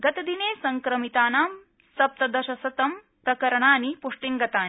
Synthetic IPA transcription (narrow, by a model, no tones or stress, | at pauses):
ɡɐt̪ɐd̪ineːsɐŋkɾɐmit̪aːnaːm | sɐp̚t̪ɐd̪ɐʃɐsɐt̪ɐm | pɾɐkɐɾɐɳaːnipuʂʈiŋɡɐt̪aːn